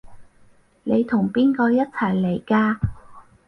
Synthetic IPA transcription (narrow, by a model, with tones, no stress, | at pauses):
ne˨˧jt̪ʰʊ˨˩ŋpiː˥nkɔː˧jɐ˥t̚t͡sʰɐ˨˩jle˨˩jkaː˧